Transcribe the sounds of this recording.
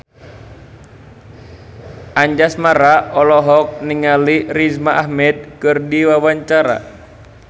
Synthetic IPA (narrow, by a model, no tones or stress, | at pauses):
ʔaɲd͡ʒasmaɾaɔlɔɦɔk̚niŋalirizmaʔahmɛd̪̚kɨrdiwawaɲt͡ʃaɾa̰